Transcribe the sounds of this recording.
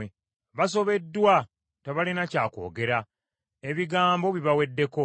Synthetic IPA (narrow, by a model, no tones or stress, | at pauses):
e | βaso̞βe̞dːwa | teβalinacaːko̞̰ːɡe̞ɾa | e̞βiɡaːmbo̞βiβawe̞dːe̞ko̞